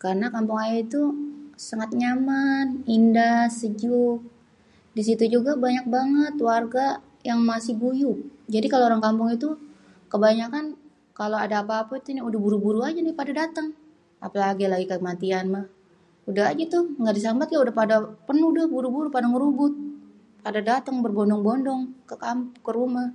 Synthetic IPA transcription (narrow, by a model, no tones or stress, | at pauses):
kaɾənakampʊŋajait̪usaŋat̪̚ɲamanindasəd͡ʒʊk̚ | dis̬it̪ud͡ʒuɡabaɲak̚baŋət̪warɡa | jaŋmasɪhɡujʊk̚d͡ʒadikaloːɾaŋkampʊŋit̪u | kəbaɲakan | kaloadaːpaːpait̪uniudahbuɾubuɾuad͡ʒanɪhpadadat̪əŋ | a̰palaɡilaɡikəmat̪ianmah | udahɦad͡ʒat̪ʊhŋɡadis̬ambat̪̚kaudahpadapərnudahbuɾubuɾupadaŋɾubʊt̪̚ | padadat̪əŋbərbɔndɔŋbɔndɔŋkəkampkəɾumah